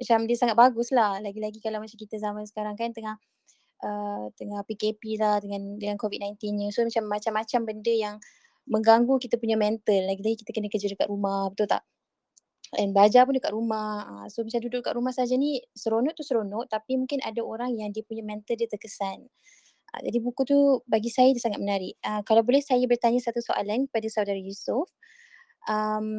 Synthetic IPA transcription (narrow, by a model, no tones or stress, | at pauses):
mat͡ʃamdiəsaŋat̪̚baɡuslahlaɡilaɡikalawmat͡ʃamkit̪əzamansə̥kaɾaŋkant̪əŋah | ʔət̪əŋahpikepilahdəŋãndəŋankovit̚najnt̪inɲəsomat͡ʃamːat͡ʃamːat͡ʃambəndəjaŋ | məŋɡaŋɡukit̪əpuɲamɛnt̪əlːaɡilaɡikit̪akənəkəd͡ʒədəkaʔ̪ɾumahbət̪ult̪a̰ʔ | ənbad͡ʒapundəkat̪ɾumahəsomat͡ʃamdudʊʔka̰ʔɾumahsad͡ʒanisəɾonɔʔt̪usəɾonɔʔt̪apimuŋkɪna̰daoɾaŋjaŋdiəpuɲamɛ̃nt̪əldiət̪əkəsan | ʔə̰d͡ʒa̰dibukut̪ubaɡisajadasaŋat̪̚mənaɾɪʔəkalawbolɛhsajabərt̪aɲasat̪usoʔa̰lankəpadasawdaɾajusʊf | ʔəm